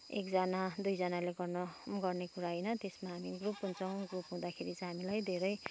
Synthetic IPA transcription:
ḛkd͡zʌnad̪ujd͡zʌnaleɡʌrnʌɡʌrnekuɾaɦʌjnʌt̪esmaɦamiɡrupɦunt͡sʰʌw̃ɡrupɦũd̪akʰeɾit͡sʌɦamilajd̪ʱeɾʌj

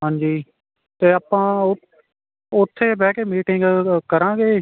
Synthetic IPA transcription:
ɦãːɲd͡ʒiː | t̪eːaːpãːʊ | ʊt̪ʰːeːbɛːkeːmiːʈɪŋɡkəɾãːɡeː

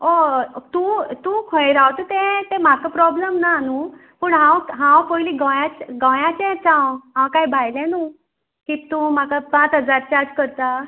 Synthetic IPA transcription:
ot̪ũːt̪ũːkʰə̃jɾawt̪ət̪ẽt̪em̤akəpɾɔbləmnanuː | pəɳɦãwɦãwpojliːɡɔ̃jat͡ɕɡɔ̃jãt͡ɕɛ̃t͡sãwɦãwkajbʱajlɛ̃nu | kit̪ũm̤akapãt͡sɦəd͡zaɾt͡ɕaɾd͡ʑkəɾt̪a

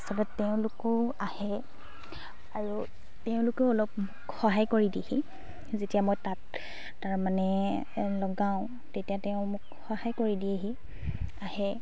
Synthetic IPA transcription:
sɔlɛteʊ̃lʊkɔahɛ | aɹu | teʊ̃lʊkeʊɔlɔpmʊkxɔɦajkoɹidiehi | zetijamojtatː | aɹmanɛ | lɔɡaʊ̃ | tetijateʊ̃mʊk | xɔhajkoɹidieɦi | ahɛ

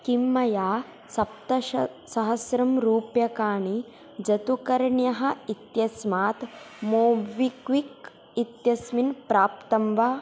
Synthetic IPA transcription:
kimːɐjaː | sɐpt̪ɐʃɐsɐɦɐsɾɐmɾuːpjɐkaːɳi | d͡ʒɐt̪ukɐɾɳjɐɦɐ̆it̪jɐsmaːt̪ | moːʋikʋik | it̪jɐsminpɾaːpt̪ɐmʋaː

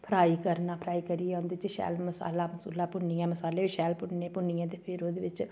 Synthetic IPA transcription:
pʰɾaːiːkəɾnaːpʰɾaːiːkəɾijɛʊ̃ːnd̪eːt͡ʃeʃɛ̰ːlməsa̰ːlaːməsṵːlaːpʊnijãːməsaːleːɪʃɛːlpʊɳnẽːpʊnijãːt̪eːpʰɪɾoːd̪eːʋɪt͡ʃ

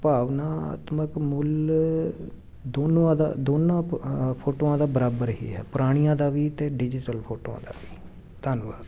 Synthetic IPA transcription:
paːʋnaːa̰ːt̪məkmʊl | d̪oːnõːãːd̪a̰ːd̪oːnãːpʰoːʈoːãːd̪aːbəɾaːbəɾɦḭːɦɛ̰ːpəɾaːɽ̃ijãːd̪aːʋiːt̪eːɖɪd͡ʒɪʈəlpʰoːʈo̰ːã̰ːd̪a̰ːʋiː | t̪ənʋaː

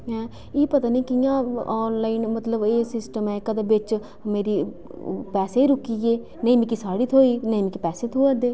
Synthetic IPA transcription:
ɦɛ̃ː | iːpət̪aːniːkɪjãːɔːnlaːɪnmət̪ləbeːsɪsʈəmɛ̃ːkəd̪ebɪt͡ʃ | meːɾiː | pɛːseːiːɾʊkːiːeː | nəĩːmĩkɪsaːɽiːt̪ʰoːiːnəĩːmĩkipɛːseːt̪ʰoːəd̪eː

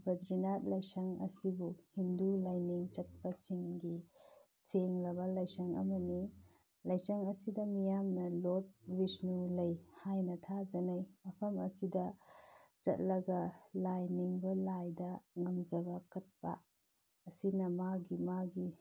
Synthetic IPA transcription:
bɐdɾinat̚lɐjsɐŋɐ̰sibuhindulajniŋt͡ʃɐt̚pasiŋɡi | seŋlɐbɐlɐjsɐŋɐ̰mɐni | lɐjsɐŋɐsidɐmijamnɐlot̚bisnulɐjhajnɐtʰad͡ʒɐnajmɐpʰɐmɐsidɐ | t͡ʃɐ̰t̚lɐɡɐlajniŋbɐlajdɐŋɐmd͡ʒɐbɐkɐt̚pa̰ː | sinɐmaɡimaɡi

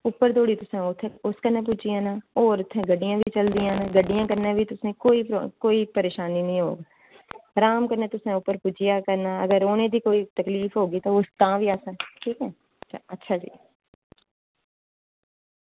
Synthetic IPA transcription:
ʊpːəɾt̪oːɽiːt̪ʊsẽt̪ʰʊskənẽːp̬ʊd͡ʒijãːnaːoːɾʊt̪ʰːẽːɡəɖɪjãːbʱiiːt͡ʃəld̪ijãːnãːɡəɖːijãːkəɾnẽːʋiːt̪ʊsẽːkoːiːkoːiːpəɾeːʃaːniːnəɦĩɦo̰ːɡaː | ɾaːmkəɾnẽːt̪ʊsẽːʊpːəɾpʊd͡ʒɪjaːkəɾnaːəɡəɾoːnẽːd̪iːkoːiːt̪əkliːfɦoːɡiːt̪oːʊst̪ãːʋʱiːaːsə̃ːʈʰiːkɛː | ətːʃʰaːd͡ʒḭː

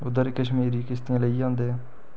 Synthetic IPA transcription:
ʊd̪əɾkəʃmiːɾiːkɪst̪ɪjãːləiãːnd̪e

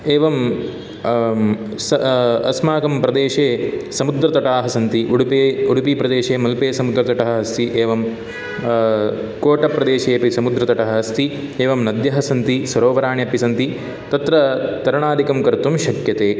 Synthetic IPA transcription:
eːʋɐm | sɐsmaːkɐmpɾɐd̪eːʃeːsɐmud̪ɾɐt̪ɐʈaːɦɐsɐnt̪iʔuɽpeːuɽupipɾɐd̪eːʃeːmɐlpeːsɐmud̪ɾɐt̪ɐʈɐɦɐɦɐst̪iʔeːʋɐm | koːʈɐpːɾɐd̪eːʃeːpisɐmud̪ɾɐt̪ɐʈɐɦɐɦɐst̪i | eːʋɐmnɐd̪jɐɦɐsɐnt̪isɐɾoːʋɐɾaːɳjɐpisɐnt̪i | t̪ɐt̪ɾɐt̪ɐɾɐɳaːd̪ʱikɐmkɐɾt̪umʃɐkjɐt̪eː

